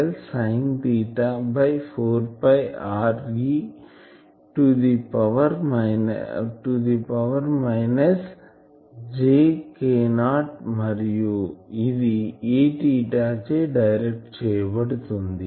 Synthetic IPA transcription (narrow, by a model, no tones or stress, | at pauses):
lsɐɪ̃ŋt̪iʈːabɐɪfoːɾpaɪaːɾɡi | ʈud̪ipɐʋɐɾmɪʈud̪ipɐʋɐɾmaɪnɐs | d͡ʒeːkeːnaːʈmɐɾijoiðieːʈiʈat͡ʃeːɖɐɪɾɛk̚ʈt͡ʃɛjbɐɽt̪und̪i